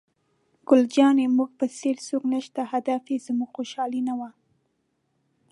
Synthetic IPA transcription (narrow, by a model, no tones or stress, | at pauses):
ɡ̥ʊld͡ʒɑnemuɡpəseɾsoknəʃt̪ahad̪afezmuɡxoʃɑlinawa